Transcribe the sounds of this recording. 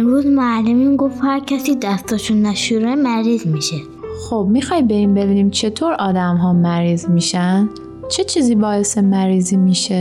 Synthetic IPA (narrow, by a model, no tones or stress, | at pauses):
emɾuːzmoælːemiːnɡoft̪hæɾcʰæsiːd̪æst̪ɔʃunːæʃuːɾemæɾiːzmiʃe | xob̚miːxɒːjbe̞iːnbe̞biːniːmt͡ʃʰe̞t̪ʰoːɾɒːd̪æmɦɒːmæɾiːzmiːʃænd̪ | t͡ʃʰe̞t͡ʃʰiːziːbɒːe̞semæɾiːziːmiːʃe